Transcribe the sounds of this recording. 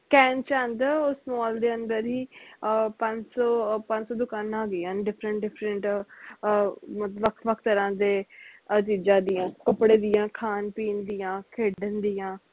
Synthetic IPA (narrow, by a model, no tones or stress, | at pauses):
kɛːnt͡ʃãnd̪ʊsmɔːld̪eːənd̪əɾɦiːpə̃ɲd͡ʒsɔːpə̃ɲd͡ʒsɔːd̪ʊkaːnãːɡeːãːnɖɪpʰɾəɳʈɖɪpʰɾəɳʈ | mət̪ləbʋəkʰʋəkʰt̪əɾãːd̪eːt͡ʃiːd͡ʒãːd̪ijãːkəpɽeːd̪ijãːkʰaːnpiːnd̪iːjãːkʰeːɖənd̪ijãː